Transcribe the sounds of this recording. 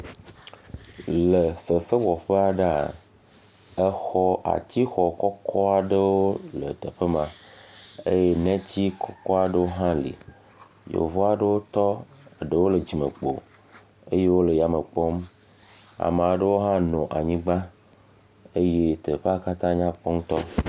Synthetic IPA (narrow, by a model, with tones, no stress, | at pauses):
lə˨fə˨fə˦vɔ˨ɸe˦a˨ɖa̰˨ | ə˦xɔ˦ʔa̰˨t͡ɕi˦xɔ˨kɔ˦kʰɔ˦a˨ɖə˦wo˦lə̰˨t̪ə˨ɸə˦mã˨ | e˦je˦nɛ̃˦t͡ɕi˦kʰɔ˦kɔ˦a˨ɖə˦wo˦ɦã˦lḭ˨ | jo̰˨vɔ˦a˨ɖə˦wo˦t̪ɔ˦˨ | ɖe˨wo˦lə˨d͡ʑi˨mḛ̃˨k͡po̰˨ | e˦je˦wo˦lə˨ja˨mə˨k͡pɔ˦m | a̰˨me˨a˨ɖə˦wo˦ɦã˦nɔ̃˨ʔa˨ɲĩ˦ɡ͡ba˦ | e˦je˦t̪ə˨ɸe˦a˦ka˦t̪ã˦ɲã˦k͡pɔ˦ŋ˦t̪ɔ̰˦